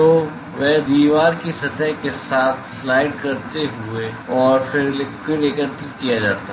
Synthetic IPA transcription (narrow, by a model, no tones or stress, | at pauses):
toː | ʋɛɦd̪iːʋaːɾkisɐt̪əɦkesaːt̪ʰslaːɪɖ̚kɐɾt̪eɦʊeɔːɾfɪɾkɪɾeːkəɾt̪ikijad͡ʒaːt̪a